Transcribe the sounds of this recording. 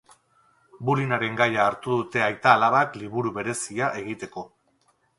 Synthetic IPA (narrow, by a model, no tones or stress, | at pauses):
bulinaɾe̞ŋɡajaːɾt̪uðut̪e̞ajt̪aːlaβakliβ̞uɾuβe̞ɾe̞siaʔe̞ɣ̞it̪e̞ko̞